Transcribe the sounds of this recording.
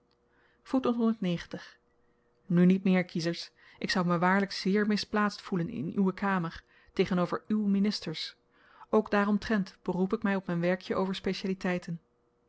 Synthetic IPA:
futɔntɦɔndəɹtnejχəntəχ | nynit̚mɪːɹkʰizəɹs | ʔɪksʌwməʋaːɹləkz̥ɪːɹmɪsplaːtstfulənɪ̰nywəkaːməɹ | tejχənowvəɹywminɪstəɹs | ʔowɡdaːrɔmtrɛntb̥ərupɪkmɛjɔpmɛjnʋɛɹkjəʔowvəɹspejʃaːlitɛjtən

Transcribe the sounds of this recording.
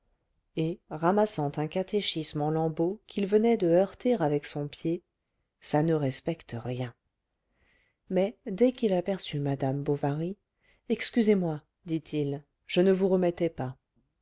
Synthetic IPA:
eʁamasɑ̃t̪ɛ̃kat̪eʃismɑ̃lɑ̃bokʲʰilvənɛd̪əœʁt̪eʁavɛksɔ̃pje | sanəʁɛspɛkt̪əʁjɛ̃ | mɛd̪ɛkilapɛʁsymad̪ambovaʁi | ɛkskʲyzemwa | d̪it̪ʰil | ʒ̥ənəvuʁəmɛt̪ɛpa

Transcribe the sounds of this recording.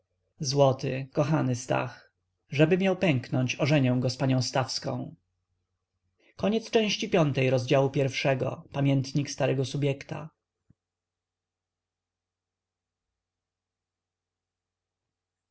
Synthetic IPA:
zwɔt̪ɪkɔxanɘst̪a̰x | ʐɛbɘmʲjawpɛŋknɔɲt͡ɕɔʐɛɲɛw̃ɡɔspaɲɔ̃w̃st̪afskɔ̰̃w̃ | kɔɲɛt̪st͡ʂɛ̃w̃ɕt͡ɕipʲjɔnt̪ɛjɾɔzd͡ʑawupʲjɛɾfʂɛɡɔ̰pamʲjɛnt̪ɲikst̪aɾɛɡɔsubʲjɛkt̪a̰

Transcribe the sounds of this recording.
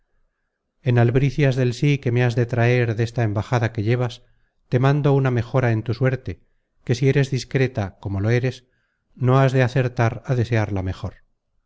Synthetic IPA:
e̞nalβɾiθjazðe̞lsike̞me̞azðe̞t̪ɾae̞ɾðe̞st̪ae̞mbaxaðake̞ʎe̞β̞as | t̪e̞mãnd̪o̞uname̞xo̞ɾae̞nt̪uswe̞ɾt̪e̞ | ke̞sie̞ɾe̞zðiskɾe̞t̪ako̞mo̞lo̞e̞ɾe̞s | no̞azðe̞aθe̞ɾt̪aɾaðe̞se̞aɾlame̞xo̞ɾ

